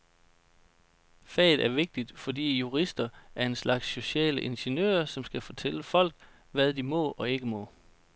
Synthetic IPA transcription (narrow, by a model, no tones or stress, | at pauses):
fɛ̰ːð̩ˠæɐʋe̝ɡ̥̚d̥id̥fɒ̽dḭːjuʁisd̥ɐæɐe̝nslɑ̈ɡ̥sɕo̝ɕɛ̰ːləʔe̝nɕenø̰ːɐsɒ̽msɡ̥æfɒt͡sʰeləfɒ̽l̰ɡ̥̚ | ʋæðˠd̥imɔ̽ɒ̽e̝ɡ̥əmɔ̽